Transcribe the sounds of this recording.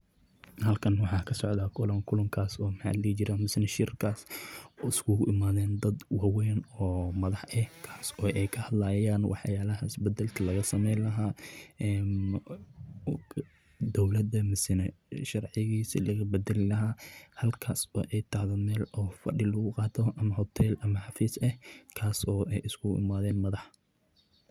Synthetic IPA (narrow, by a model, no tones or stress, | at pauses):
hɐlkʰɐnwɑħɑːkʰɐsɔʕd̪aːkʰʊlɐŋkʰʊlʊŋkʰaːsɔːmħɑ̰ːd̪lit͡ʃɪɾamɪsɪnɐʃɪrkʰaːsɔːɪskʰʊɣʊʔɪmaːðɛːnd̪ɐd̪wɑwɛːnɔːmɐðɑħʔɛkʰaːsɔːʔɛjkʰɐhɐd̪lɐjaːnwʔɑ̰ħjaːlɐɦɐɪsbɛd̪ːɛlt̪ʰɐlɐɣɐsɐmɛjlɐɦaːɛːm | d̪ɔwlɐd̪ɐmɪsɪnɛʃɑrʕɪɣiːsḭlɐɣɐbɐd̪ɛlɪlɐɦaːhɐlkʰaːsbɐ̰ʔɛjt̪ʰɑʕðɔmɛːlɔːfɐ̰ɖɪlʊɣʊqɑːt̪ʰɔʔɐmɐhɔt̪ʰɛːlʔɐmɐħɑfiːsɛhkʰaːsɔːʔɛjɪskʰʊɣʔɪ̰maːðɛːnmɐðɑħ